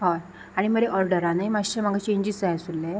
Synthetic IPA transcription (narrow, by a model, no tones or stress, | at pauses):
ɦɔj | aɽ̃iməɾeʔɔɾɖəɾãnajmasʈəɾm̤aɡat͡ɕẽɲd͡ʑisaj̃sulːe